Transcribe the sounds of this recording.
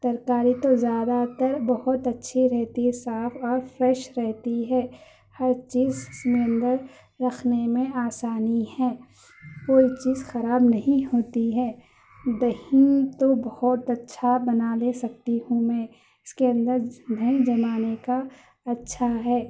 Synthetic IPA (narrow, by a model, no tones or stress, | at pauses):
d̪̥ɐɾkaːɾit̪ozjaːd̪at̪əɾbɐɦʊt̪ɐtːʃʰiɾɛɦt̪isaːfʰɔːɾfɾɛːʃɾɛɦt̪iɦɛː | hɐɾt͡ʃiːzɪsmeə̃nd̪əɾː | ɐkʰnemẽaːsaːnihɛː | koːit͡ʃiːzxɐɾaːbnɐɦĩɦoːt̪iɦɛː | d̪ɐɦit̪obɐhɔt̪ɐtːʃʰabɐnalesɐk̚t̪iɦũmẽ | ɪskeɐ̃nd̪əɾd̪ʱɐĩd͡ʒɐmaːneka | ɐtːʃʰaɦɛː